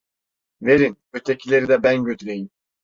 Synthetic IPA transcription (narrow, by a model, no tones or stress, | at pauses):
ve̞ɾin | øt̪ʰecʰilʲe̞ɾid̪ɛbænɟøt̪ʰylʲejin